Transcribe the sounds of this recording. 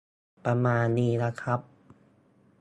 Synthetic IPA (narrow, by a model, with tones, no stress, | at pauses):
pa˧maː˧nːiː˧˩la˧kʰa˦˥p̚